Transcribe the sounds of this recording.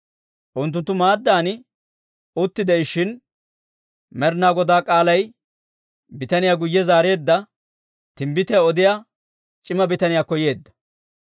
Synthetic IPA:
ʔʊnt̪ːʊnt̪ːʊmaːd̪ːaːnɪ | ʊt̪ːɪd̪ɛɪʃɪn | mɛɾnaːɡɔd̪aːkʼaːlɐj | bɪt̪ɐnɪjaːɡʊjːɛzaːɾe̞ːd̪ːɐ | t̪ɪmbɪt̪ɛɔd̪ɪja | t͡ʃʼɪmɐbɪt̪ɐnɪjaːkɔje̞ːd̪ːɐ̥

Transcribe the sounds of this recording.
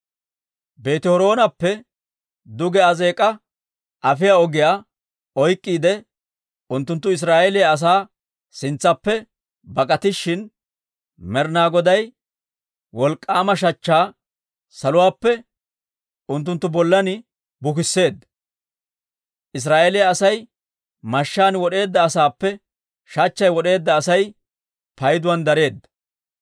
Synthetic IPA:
be̞ːt̪ɪhɔɾo̞ːnɐpːɛ | d̪ʊɡɛɐze̞ːkʼɐ | ʔɐfɪjaːɔɡɪjaː | ɔjkʼːiːd̪ɛ | ʊnt̪ːʊnt̪ːʊɪs̬ɾaːʔeːlɪjaɐs̬aː | sɪnt͡sːɐpːɛ | bɐkʼɐt̪ɪʃːɪn | mɛɾnaːɡɔd̪ɐj | wɔlkʼːaːmɐʃ̬ɐt͡ʃːaː | sɐlʊwaːpːɛ | ʔʊnt̪̬ːʊnt̪ːʊbɔlːɐnɪ | bʊkɪsːe̞ːd̪ːɐ̥ | ʔɪs̬ɾaːʔelɪjɐɐsɐj | mɐʃːaːnwɔɗe̞ːd̪ːɐːsaːpːɛ | ʃɐt͡ʃːɐjwɔɗe̞ːd̪ːɐːsɐj | pɐjd̪ʊwɐnd̪ɐɾe̞ːd̪ːɐ̥

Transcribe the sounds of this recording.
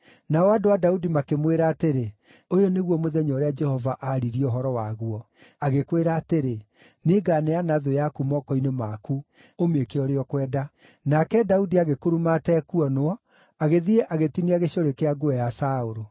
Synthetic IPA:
naɔadoadaudimakemweɾaːteɾe | ojɔneɣwɔmoðɛɲɔɾead͡ʒɛhɔvaʔaɾiɾioɦɔɾɔwaɣuɔ | aɣekweɾaːteɾe | neɡaneanaðojakumɔkɔinemaku | omekeɔɾeɔkwɛːda | nakɛdaudiaɣekoɾumatɛkuɔnwɔ | aɣeðiɾeʔaɣetiniaɣeɕoɾekeaɡoɛjasaoɾo

